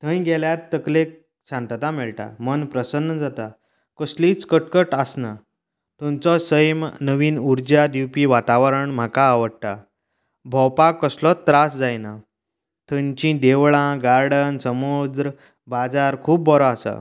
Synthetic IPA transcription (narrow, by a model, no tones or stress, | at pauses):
t̪ʰə̃jɡɛljat̪ːəklek̚ | ɕãnt̪t̪amɛɭʈa̰mənpɾəsənːəd͡zat̪a | kəsliːt͡skəʈkəʈəsna | t̪ũmt͡sɔsəjmnəʋiːnuɾd͡ʑad̪juwpiʋat̪aʋəɾəɳm̤akaːʋəɽ̚ʈ̪a | bʱɔwpakəslɔt̪ːɾasd͡zajna | t̪ʰə̃ɲt͡ɕĩd̪eʋɭãɡaɾɽənsəmod̪ɾə | bad͡zaɾkʰuːp̚bʱɔɾɔasa̰